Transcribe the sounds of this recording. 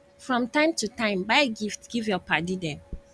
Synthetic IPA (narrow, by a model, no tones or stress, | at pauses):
fɹɔ̃mtãɪ̃mtutãɪ̃mbaɪɡiftɡ̥ivjɔpadidɛ̃m